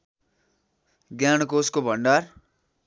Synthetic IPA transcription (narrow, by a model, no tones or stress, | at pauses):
ɡjañkoskobʱʌɳɖar